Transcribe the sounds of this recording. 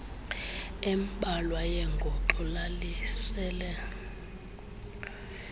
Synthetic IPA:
ɛmɓʱʼalwajɛŋɡʱɔǃɔlalisɛːlɛ

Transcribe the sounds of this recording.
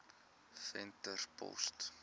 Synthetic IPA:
fɛntərpʰɔ̰st

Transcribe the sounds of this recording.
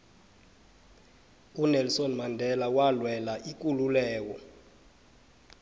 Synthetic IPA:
unɛlsɔnmandʱɛlawalwɛlaʔik̬ʼululɛːk̬ɔ

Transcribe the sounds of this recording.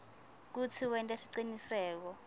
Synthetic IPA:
k̬ut͡sʰiwɛntʼɛsiǀinisɛːk̬ɔ

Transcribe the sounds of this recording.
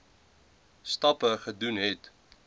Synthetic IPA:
stɐpəχədunɦɛt

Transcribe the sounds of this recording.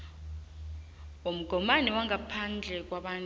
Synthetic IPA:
um̩ɡ̥ʱɔmanɛwaŋapʰand͡ɮʱɛk̬waɓaːn

